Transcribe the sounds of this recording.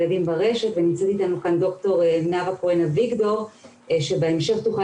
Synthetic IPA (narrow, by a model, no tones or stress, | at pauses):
ladimbaʁe̞ʃetvenimt͡set̪itanukando̞kto̞ʁnavakoenaviɡdo̞ʁ | ʃe̞beemʃe̞χt̪uχa